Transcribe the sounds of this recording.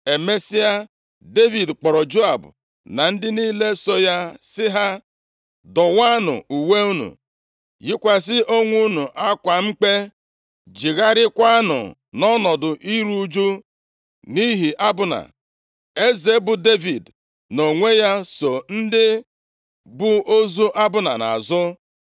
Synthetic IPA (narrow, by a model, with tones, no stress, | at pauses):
e˨me˦si˦a˦ | de˦vi˨dk͡pɔ˨ɾɔ˨d͡ʒo˦a˨bʊ̰˨ | na˨n̩˦dɪ˦ni˦le˦so˦ja˦sɪ˦ɦa˦ | dɔ˨wa˦nʊ̰˨u˨we˦u˦nṵ˨ | jɪ˦kʷa˦sɪ˦ʔo˦ŋʷu˦nu˨ʔa˦kʷa˨ŋ͡m̩˦k͡pe˦ | d͡ʒi˨ɣa˦ɾɪ˦kʷa˦a˦nʊ̰˨ | nɔ˦nɔ˨dʊ˨ʔi˦ɾu˦d͡ʒu˦ | ni˦ɦi˨ʔa˦bʊ˨na̰˨ | e˦ze˨˦bʊ˨de˦vi˨d | no˨ŋʷe˦ja˦so˨n̩˦dɪ˦ | bʊ˦o˦zu˦ʔa˦bʊ˨na˨na̰˨zʊ˦